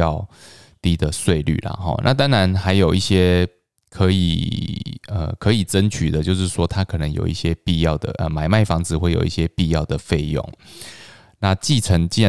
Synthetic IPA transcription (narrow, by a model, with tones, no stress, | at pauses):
ɑ˥˨ʊ | t̪i˥d̪ə˨swe˥˧ɪly̰˥˨la̰˨˩xɔ̰˥˩na̰˥˨t̪a˥ŋɻa˧˦nxa˧˥ɪjo˨˩ʊi˥˩ɕjɛ˥ | kʰɤ˧˦ḭ˨˩ | ə̰˧˩kʰɤ˧˦i˨˩ʈ͡ʂə˦˥nt͡ɕʰy˨˩d̪ə˦t͡ɕjo˥˧ʊʂ̬ɻ̩˥˩ʂwɔ˥t̪ʰa˦kʰɤ˨˩nə˧˦ŋjo˨˩ʊḭ˥˩ɕjɛ˦pi˥˧jɑ˥˩ʊd̪ə̰˩ʔə˨˩ma˨˩ɪma˥˩ɪfɑ˧˥ŋd͡zɹ̩˨xwe˥˩ɪjo̰˨˩ʊi˥˩ɕjɛ˦pi˥˧jɑ˥˩ʊd̪ə˩fe˥˧˩ɪjo̰˥˨˩ŋ | na˥˧t͡ɕi˥˩ʈ͡ʂʰə˧˥ŋt͡ɕi˥